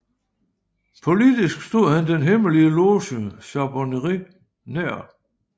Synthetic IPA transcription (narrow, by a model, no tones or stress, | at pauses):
pʰo̝lid̥isɡ̥sd̥o̝ð̰ˠhænd̥enɦeməliəloːsəɕɑb̥onəʁi | neɐ̰